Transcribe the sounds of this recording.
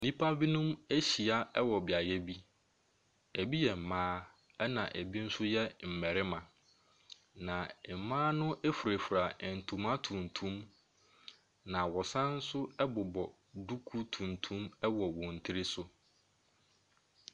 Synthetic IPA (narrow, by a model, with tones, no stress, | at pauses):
nĩ˦pʰa˦bi˦nʊ̃˦mæ˦ɕi˨a˦ɛ˦wɔ˨bɪ˨a˨jɛ˦bi˦ | e˨bi˦jɛ˨m̩˨mãː˦ | ɛ˦nã̰˨ʔæ˨bi˦n̩˦sʊ˦jɛ˦m̩˨mɛ˨ɾɪ˦mã˨ | nã˨mãː˦nʊ̃˦ʔe˦fu˨ɾe˨fu˨ɾa˨n̩˨tʰũ˨mã˦tʰũ˨n˨tʰũ˦m | nã˨wɔ˨sã˦n̩˦sʊ˦ɛ˦bʊ˨bɔ˨ | du˦kʰu˦tʰũ˨n˨tʰũ˦mɛ˦wɔ˨wɔ̃˨n̩˨tʰɪ˦ɾɪ˦sʊ˦